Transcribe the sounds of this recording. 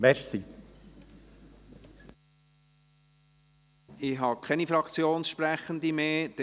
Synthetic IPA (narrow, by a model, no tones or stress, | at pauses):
mɛɾsi | ɪɦɑkʰɛnifɾɑkt͡sjoːnsʃpɾæχənd̪imeːd̥ɛ